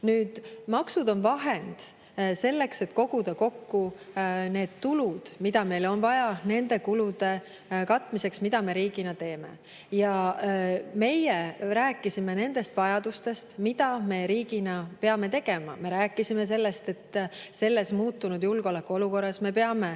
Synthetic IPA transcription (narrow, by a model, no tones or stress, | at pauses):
nyːd̪̥mɑksud̪o̞nvɑɦe̞nd̪̥ | se̞lːe̞kse̞t̪ko̞ɡ̥ud̪̥ɑko̞kːune̞ːd̪̥̚t̪ulud̪̥mid̪ɑme̞jlo̞nvɑjɑne̞nd̪e̞kulud̪̥e̞ | kɑt̪ːˑmise̞ksmid̪̥ɑme̞ɾiːɡinɑt̪e̞ːme̞̰ | jɑ | me̞jeɾæːkːˑisime̞ne̞nd̪̥e̞st̪vɑjɑd̪̥ust̪e̞st̪mid̪̥ɑme̞ɾiːɡ̥inɑpe̞ɑme̞t̪e̞ɡ̥e̞mɑ̰me̞ɾæːkːˑisime̞s̬e̞lːe̞st̪e̞t̪ːse̞lːe̞smuːt̪ːunud̪̥julɡ̥eo̞lekːˑuoluko̞rːɑsme̞pe̞ɑme̞